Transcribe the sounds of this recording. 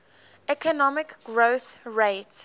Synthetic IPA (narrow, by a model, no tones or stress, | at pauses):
ɛkənɔmɪkɡɹoʊθɹet